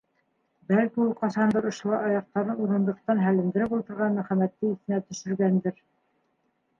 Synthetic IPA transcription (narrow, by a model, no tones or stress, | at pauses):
bælkiulˠqɑsɑnd̪ɤɾŏʃŏlˠɑɑjɑq̚t̪ɑɾɤnuɾɤ̆nd̪ɤ̆qt̪ɑnɦælɘ̆md̪ɘ̆ɾɘpulˠt̪ɤ̆ɾʁɑnmæ̆χæmæt̪ːɘiθɘ̆næt̪ɵ̆ʃɵ̆ɾɡænd̪ɘɾ